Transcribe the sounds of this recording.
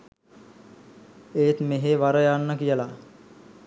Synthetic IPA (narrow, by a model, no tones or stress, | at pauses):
eːt̪meɦeʋaɾəjanːəkijəla